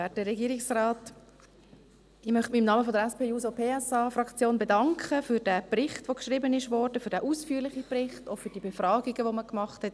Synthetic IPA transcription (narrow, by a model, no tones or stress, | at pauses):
ɛːt̚dəɾɛɡiːɾɪksrɑːt | ɪmœχtmɪɪmnɑməfodəɾɛspʰeːjuːsopʰeːɛsɑːfrɑkt͡sjoːnbedɑŋkχəfyɾd̥æːprɪχtʋokʃribənɪʃʋɔɾd̥əfyːɾd̥ɛːʔuːsfyːlɪχibrɪχtofyːd̥ibefɾrɑːɡiɡəʋoməkmɑχthɛt